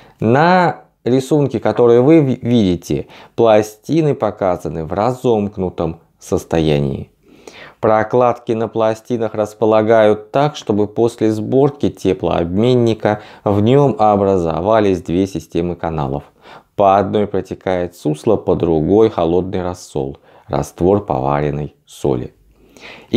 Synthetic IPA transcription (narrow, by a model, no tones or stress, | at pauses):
nə | ɾʲɪsunkʲɪkɐt̪o̞ɾɨjəvɨvʲidʲɪtʲɪ̰plˠɐsʲtʲinɨpɐkazənɨvrɐzo̞mknʊt̪əm | səst̪ɐjæ̰nʲɪ̰ɪ | pɾɐklˠat̪kʲɪnəplˠɐsʲtʲinəxrəspəlˠɐɡajʊt̪ːakʂt̪o̞bɨpo̞sʲlʲɪzbo̞rkʲɪtʲe̞plˠə̰a̰bmʲenʲːɪkəvnʲo̞mɐbɾəza̰valʲɪsʲd̪vʲesʲɪsʲtʲe̞mɨkɐna̰lˠə̰f | pəɐd̪no̞jpɾətʲɪkajɪt̪suslˠəpəd̪ɾʊɡo̞jxɐlˠo̞d̪̚nɨjrɐsːo̞̰lˠ | rɐ̰st̪vo̞rpɐ̰va̰ɾʲɪnəj | so̞̰lʲɪ̰